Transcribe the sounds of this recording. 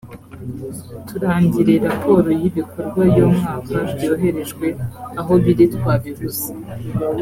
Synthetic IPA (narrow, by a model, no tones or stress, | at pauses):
tuɾaːɲɟiɾe̞ɾapʰo̞ːɾo̞jiβiko̞ɾɡwajomŋaːkabjo̞ːɦe̞ɾe̞ʒɡwe̞aɦo̞βiɾitkwaːβiɡusi̥